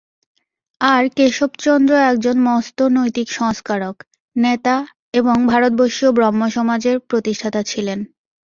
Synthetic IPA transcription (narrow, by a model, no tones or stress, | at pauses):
aɾkeʃobt͡ɕɔnd̪ɾoɛk̚d͡ʑonmɔst̪onojt̪ikʃɔŋskaɾok | net̪a | eboŋbʱaɾot̪̚boʃiobɾɔmːoʃɔmad͡ʑeɾpɾot̪iʃʈʰat̪at͡ɕʰilen